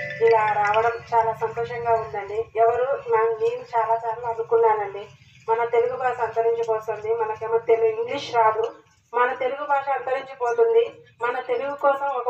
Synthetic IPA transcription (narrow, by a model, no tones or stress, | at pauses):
ilaːɾaɐʋɐɽɐmt͡ʃaːlaːsɐnt̪ɔːʂɐŋɡaːund̪ɐɳɖiɛʋɐɾumenɐmneːɾut͡ʃaːlaːt͡ʃaːɾlaɐnukunːaːnɐɳɖi | mɐnɐt̪e̞luɡubʱaːʂɐɐnt̪ɐɾiɲt͡ʃɐpɔːst̪oːnd̪imɐnɐkemɐt̪eluɡuiŋɡliʂɾaːd̪u | mɐnɐt̪e̞luɡubʱaːʂɐɐnt̪ɐɾiɲt͡ʃɐpɔːt̪und̪i | mɐnɐt̪e̞luɡukɔːsɐmɔkɐ